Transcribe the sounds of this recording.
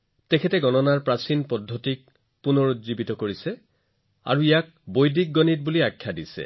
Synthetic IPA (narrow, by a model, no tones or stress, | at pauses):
tɛkʰɛtɛɡɔnɔnaɹpɹasinpɔdʱːɔtik̚ | punoɹutzibitɔkoɹisɛ | a̰ɹuijak̚ | bojdik̚ɡɔnit̚buliakʰːjadisɛ̰